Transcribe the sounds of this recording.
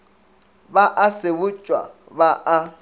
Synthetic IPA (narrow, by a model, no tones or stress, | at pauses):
baʔasɪbʊt͡ʃʼwa̰ | baʔa